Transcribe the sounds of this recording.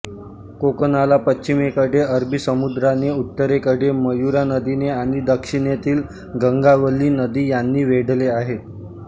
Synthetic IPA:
kokənalapəɕimekəɽeəɾbʱiːsəmud̪ɾaneut̪ːəɾekəɽeməjuɾanəd̪ineaɽ̃id̪əkʂiɳ̃jet̪iːl | ɡəŋɡaʋəliːnəd̪iːjanːiːʋeɽleaɦe

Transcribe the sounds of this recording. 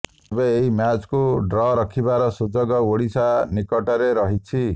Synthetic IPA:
beeɦimjat͡skuɖɾɔɾʌkʰibaɾɔsud͡ʒɔɡɔoɽisanikɔʈɔɾeɾʌɦit͡ʃʰi

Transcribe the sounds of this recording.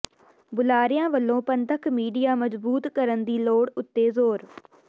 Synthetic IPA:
bʊlaːɾɪjãːʋəlːõːpənt̪əkʰmiːɖijaːməzbuːt̪kəɾənd̪iːloːɽʊt̪ːeːzoːɾ

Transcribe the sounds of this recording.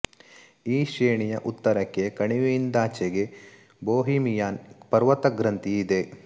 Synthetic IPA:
iːʃeːɳijɐʔut̪ːɐɾɐkːe̞kɐɳiʋeind̪aːt͡ʃeɡe̞ | boːɦiːmijaːnpɐɾʋɐt̪ɐɡɾɐnt̪iːd̪e̞

